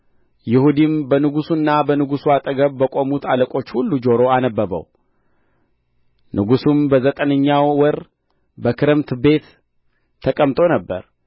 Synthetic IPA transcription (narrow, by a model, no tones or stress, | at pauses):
jɪhud̪imbənɨɡusunːabənɨɡusuat̪ʼəɡəβbəkʼo̞mut̪ʰaləkʼo̞t͡ʃːhulːud͡ʒo̞ɾo̞anəbːəbə̰w | nʔɨɡusumbəzət̪ʼənəɲːawːɔɾ | bəkʰɨɾɨmt̪be̞t̪ːʰ | əkʼəmt̪ʼo̞nəbːə̰ɾ